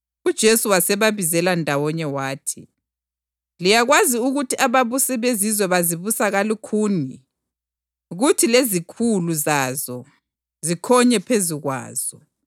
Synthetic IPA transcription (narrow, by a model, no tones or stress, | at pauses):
ud̥ʒ̥ʱesuwasɛβaβizɛlandʱawɔɲɛwaːtʰḭ | lijaɣwaziuɣutʰiʔaβaβusiβezizwɛβaziβusaɣalukʰuːni | ɣutʰilezikʰuluzazɔ | zikʰɔɲɛpʰeziɣwa̰ːz̥ɔ